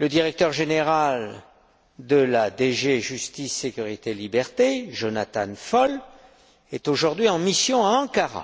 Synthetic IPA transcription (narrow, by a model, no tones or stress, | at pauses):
ləd̪iʁɛk̚t̪œʁʒeneʁal | d̪əlad̪eʒeʒyst̪isːekʲyʁit̪elibɛʁt̪eʒonat̪a̰nfɔl | ɛt̪oʒuʁd̪ɥiɑ̃misjɔ̃aɑ̃kaʁa̰